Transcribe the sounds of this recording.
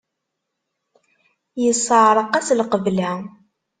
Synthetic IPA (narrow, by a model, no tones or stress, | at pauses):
jəsˤəʕɾˤəqæslqəvlæ